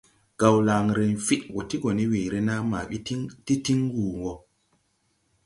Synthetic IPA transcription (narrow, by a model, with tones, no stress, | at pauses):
ɡ̥a˨wlaː˨ŋɾe˨nfi˦ʔwɔ˨ti˦ɡo˨ni˦weː˨ɾe˦na˦ma̰˨˦ti˦ti˦ŋwuː˨wɔ˨